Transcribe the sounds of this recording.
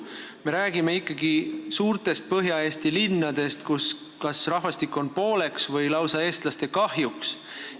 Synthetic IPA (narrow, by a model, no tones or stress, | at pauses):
me̞ɾæːɡ̥ime̞ikːˑɑɡisuːɾt̪e̞st̪̚pɤɦjɑe̞ːst̪ilinːɑd̪̥e̞st̪kus | kɑsrɑɦvɑst̪ikːˑo̞npo̞ːle̞ksvɤjlɑwsɑe̞ːst̪lɑst̪e̞kɑhjuks